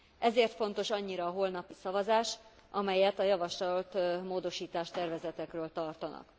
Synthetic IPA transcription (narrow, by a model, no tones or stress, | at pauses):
ʔɛzeːrt̪fo̞n̪t̪o̞ʃɒɲːiɾɒːɦo̞lnɒpisɒvɒzaːʃ | ʔɒmɛjɛt̪ɒjɒvɒʃlɒlt̪moːd̪o̞ʃiːt̪aːʃt̪ɛrvɛzɛt̪ɛkrøːlt̪ɒrt̪ɒnɒ̰k